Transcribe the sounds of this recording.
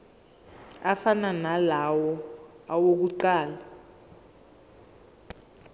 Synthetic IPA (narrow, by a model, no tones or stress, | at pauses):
afananalawɔawok̬uǃaːla